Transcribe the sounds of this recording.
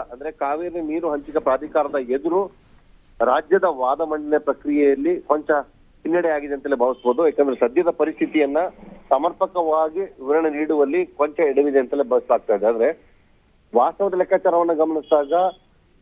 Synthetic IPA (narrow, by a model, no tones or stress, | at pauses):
ɐnd̪ɐɾe̞kaːʋiːɾeniːɾuɦɐɲt͡ʃikɐpɾaːd̪ʱikaːɾɐd̪ɐed̪uɾu | ɾaːd͡ʒjɐd̪ɐʋaːd̪ɐmɐɳɖinepɾɐkɾijejɐlːikoɲt͡ʃɐ | inːɐɽɛjaːɡid̪ent̪ɐeːlebʱaːʋisboːd̪uɛːkɛːnd̪ɐɾesɐd̪jɐd̪ɐpɐɾist̪ʰit̪ijɐnːɐsɐmɐɾpʰɐkɐʋaːɡiʋɾɐɳɐniːɽuʋɐlːikoɲt͡ʃɐeɽɐʋid̪eɐnt̪ɐlebʱɐːʋislaːɡ̚t̪aːjd̪eaːd̪ɐɾe | ʋaːst̪ɐʋɐd̪ɐlɛkʰːaːt͡ʃaːɾɐʋɐnːɐɡɐmɐɳisd̪aːɡɐ